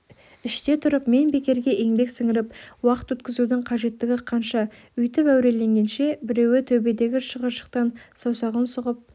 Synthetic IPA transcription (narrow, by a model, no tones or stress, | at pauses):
ɪʃt̪e̞t̪ʰʊɾəpme̞nbe̞kʲe̞ɾɡʲe̞ʔe̞ŋbe̞ksɪŋɪɾɪpwɑqə̥t̪wɵt̪kʲɪzud̪ɪɴqʰɑʒe̞t̪ːɪɡʲɪqʰɑnʃɑ | ʏjt̪ɪpæwɾe̞le̞ŋɡʲe̞nʃe̞bɪɾe̞wɪt̪ʰɵbe̞d̪e̞ɡʲɪʃəʁəɾʃə̥q̚t̪ɑnsɑwsɑʁənsʊʁəp̚